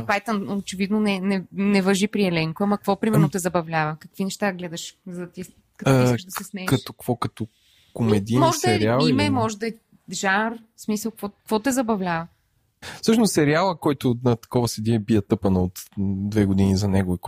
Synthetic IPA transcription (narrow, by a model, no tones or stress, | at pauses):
pajt̪ənot͡ʃɛvid̪nonɛnɛnɛvɐʒipɾiɛlɛŋkoɐmɐkkvɔpɾimɛɛɾnot̪ɛzɐbɐvlʲavɐkɐkvinɛʃt̪aɡlɛd̪ɐʃzɐd̪ɐt̪i | kɐt̪ʃd̪ɐsɛsmɛkɐt̪ɔkvɔkɐt̪ɔ | komɛd̪inmɔʒd̪ɐɛɾɾialˠimɛmɔʒɛd̪ɐɛ | ʒar | smisəlˠkvɔkvɔt̪ɛzɐbɐvlʲavɐ | fsɤʃnossɛɾialˠəkɔjt̪ʊnɐt̪ɐ̥kɔvɐsɛd̪iɛbiət̪ɤpɐnəot̪d̪vɛɡod̪inizɐnɛɡʊik